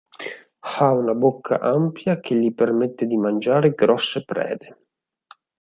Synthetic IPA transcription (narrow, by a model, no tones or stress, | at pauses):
xaunabokʰːa̰ʔampjak̟ʰeʎːipermet̪ːed̪imand͡ʒaːɾeɡɾɔsːepɾɛ̰ːd̪e